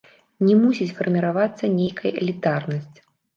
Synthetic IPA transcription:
nʲɛmusʲit͡sʲfɐrmʲiɾavat̪sːɐnʲejkʰɐjɛ̰lʲit̪arnɐsʲt͡sʲ

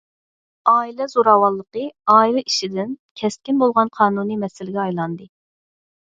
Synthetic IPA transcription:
ɑːilɛzoɾɑwɑlˠːəqəɑːilɛʔiʃɪd̪ɪnkʲʰɛst̪kʲinbolˠʁɑnqʰɑːnunimɛsɪlɪɡʲɛɑjlˠɑnd̪ɨ

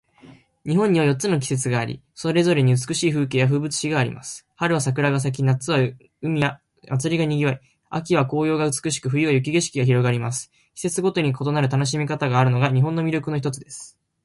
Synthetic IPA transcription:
ɲ̟iɦõ̞ɲ̟ːiβ̞ajo̞tːt͡sːɨno̞k̬ʲi̥se̞t͡sɨɡaːɾʲḭ | so̞ɾe̞zo̞ɾe̞ɲ̟iɯt͡sɨ̥kɯ̟ɕiːɸɯ̟ːkeːjaɸɯ̟ːbɯ̟t͡sɨ̥ɕiɡaːɾʲḭmʔa̰sɨ̥ | haɾɯ̟βas̬akɯ̟ɾaɡas̬ak̬ʲinat͡sɨβa | ɯ̟mʲia | mat͡sɨɾʲiɡaɲ̟iɡʲiβai | a̰k̬ʲiβ̞ako̞ːjo̞ːɡaɯt͡sɨ̥kɯ̟ɕ̬i̥kɯ̟ɸɯ̟ɾiβajɯk̬ʲiɡeɕi̥kʲiɡaçiɾo̞ɡaɾʲimasɨ̥ | kʲi̥se̞t͡sɨɡo̞t̪o̞ɲ̟iko̞t̪o̞naɾɯ̟t̪ano̞ɕ̬imʲikat̪aɡaːɾɯ̟no̞ɡaɲ̟iɦõ̞nːomʲiɾʲjo̞kɯ̟no̞çit̪ot͡sɨd̪e̞sɨ̥

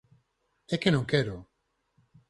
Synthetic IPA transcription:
ekenõŋkeɾo

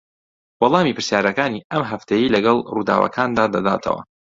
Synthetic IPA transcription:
wɑlˠɑːmiːpɨɾsjaːɾɐkaːniɐmɦɐft̪ʰejilɐɡɐlˠrud̪a̰ːwɐ̰kʰaːnd̪aːd̪ɐd̪a̰ːt̪ʰɐ̰wɐ̰

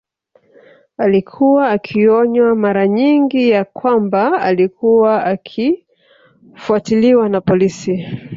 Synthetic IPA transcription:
alikʰuwaːkʰiɔɲwamaɾaɲiŋɡijakwambaalikʰuwaakʰi | fuatiliwanapɔlisi

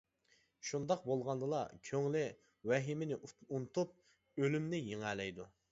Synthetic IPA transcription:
ʃund̪ɑqbolˠʁɑnd̪ɨlˠɑkʲʰøŋlɪ | wɛɦɪmɪnɪʔunt̪ʰup̚ | ølymnɪjeŋæːlɛjd̪u

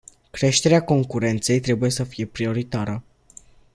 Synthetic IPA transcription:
kɾe̞ʃt̪e̞ɾeako̞ŋkuɾe̞nt̪se̞jt̪ɾe̞buje̞səfije̞pɾio̞ɾit̪aɾə

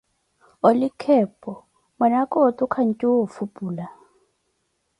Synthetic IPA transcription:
olikʰɛpʼɔ | manakʼotʼukʰan̩tʼiwofupʼuːla

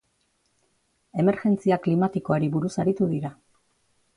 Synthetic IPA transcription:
e̞me̞ɾʝe̞nt͡siaklimat̪iko̞aɾiβuɾusaɾit̪uðiɾa

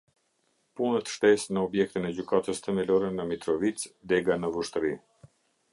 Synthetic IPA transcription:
punət̪ʃt̪ɛsnəɔbjɛk̚t̪inɛd͡ʑykat̪əst̪ɛmɛlɔɾɛnəmit̪ɾɔvit͡sd̪ɛɡanəvuʃt̪əɾi

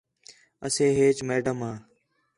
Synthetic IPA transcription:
əsẽːɦeːt͡ʃmeːɖəmɦãː

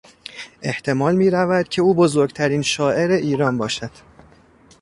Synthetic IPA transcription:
ʔe̞ht̪ʰe̞mɒːlmiːɾævæd̪̥̚cʰe̞uːbo̞zo̞ɾɡt̪ʰæɾiːnʃɒːʔe̞ɾe̞ʔiːɾɒːnbɒːʃæd̪̥

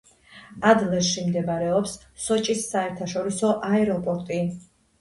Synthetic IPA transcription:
ad̪lɛɾʃimd̪ɛbaɾɛɔpsː | ɔt͡ʃʼisːaɛɾt̪ʰaʃɔɾisɔʔaɛɾɔpʼɔɾt̪ʼi

